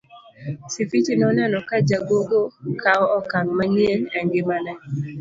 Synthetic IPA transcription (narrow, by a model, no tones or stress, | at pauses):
sifit͡ʃinɔnɛnɔkad͡ʒaɡoɡokaɔɔkaŋmanjenɛŋɡɪmanɛ